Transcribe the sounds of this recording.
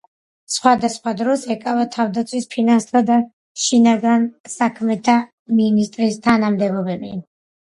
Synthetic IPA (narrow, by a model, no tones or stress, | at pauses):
sχwad̪asχwad̪ɾɔsɛkʼavat̪ʰavd̪at̪sʰwispʰinanst̪ʰad̪a | ʃinaɡansakʰmɛt̪ʰa | minist̪ʼɾist̪ʰanamd̪ɛbɔbɛbi